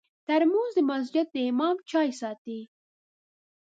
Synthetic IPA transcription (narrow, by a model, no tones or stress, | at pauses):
t̪aɾmozd̪əmas̬d͡ʒɪd̪̚d̪əɪmɑːmt͡ʃɑjsɑːt̪i